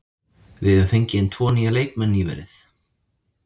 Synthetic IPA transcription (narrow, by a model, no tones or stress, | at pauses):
vɪðɛvʏmfejɲcɪɪnt̪ʰvɔːniːɣaleːjk̚mɛnːivɛ̰ɾɪθ